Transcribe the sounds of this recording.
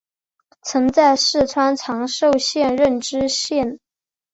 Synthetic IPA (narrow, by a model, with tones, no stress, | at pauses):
t͡sʰɤ˧˥ŋt͡sa˥˧ɪʂɻ̩˥˩t͡sʰwa˥nʈ͡ʂʰɑ˧˥ŋʂo˥˧ʊɕjɛ˥˧nɻə˥˩nʈ͡ʂɻ̩˥ɕjɛ˥˩n